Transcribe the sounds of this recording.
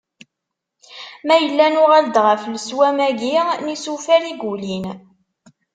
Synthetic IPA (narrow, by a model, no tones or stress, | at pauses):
mæjəlːænʊʁæld̪ʁəfləswæmæɡinisufæɾiɡulin